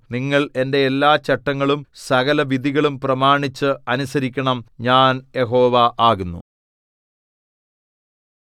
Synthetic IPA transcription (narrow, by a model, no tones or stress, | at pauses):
niŋːɐɭe̞nde̞ːlːaːt͡ɕːɐʈːɐŋːɐɭumsɐɣɐlɐʋid̪ʱiɣɐɭumprɐmaːɳit͡ɕːɨɐnusɐɾikʲːɐɳɐmɲaːnjeɦo̞ːʋaʔaːɣunːṵ